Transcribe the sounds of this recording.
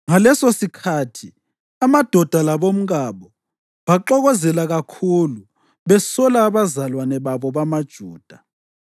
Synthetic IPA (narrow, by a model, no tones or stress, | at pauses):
ŋalɛsosikʰatʰi | amad̥ʱɔd̥ʱalaβom̩ɣaβɔ | βaǃɔɣɔzɛlaɣakʰulu | βɛsɔlaːβazalwanɛβaβɔβamad̥ʒ̥ʱuːd̥ʱa